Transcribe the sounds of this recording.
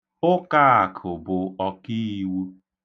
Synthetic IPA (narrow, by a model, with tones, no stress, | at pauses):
ʊ˦ka˦a˨kʰʊ˨bʊ˨ɔ˨ki˦i˦wu˦